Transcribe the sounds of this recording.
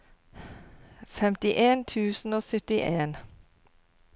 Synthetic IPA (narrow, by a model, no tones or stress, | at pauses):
fɛmt̪ɪʔeːnt̪ʰʉːsn̩oːsʏt̪ɪʔeːn